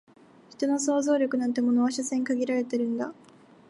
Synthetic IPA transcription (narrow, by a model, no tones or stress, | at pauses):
çi̥t̪o̞no̞so̞ːzo̞ːɾʲo̞kɯ̟nãnt̪e̞mo̞noaɕasẽ̞ŋkaɡʲiɾaɾe̞t̪e̞ɾɯ̟̃nd̪a̰